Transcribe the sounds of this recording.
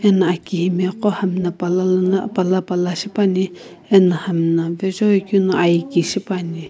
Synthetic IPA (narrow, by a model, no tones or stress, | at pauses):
ɛnaakiɦimɛqɔhamnapalanapalapalaʃipani | ɛnahamnavɛd͡ʒɔikunaʔajkiʃipani